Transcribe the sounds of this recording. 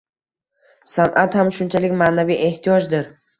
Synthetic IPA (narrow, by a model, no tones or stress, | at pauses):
sanʔat̪hamʃʊnt͡ʃʰalɪkʲmaːnavijʔe̞ht̪ʰijɒd͡ʒd̪ɪɾ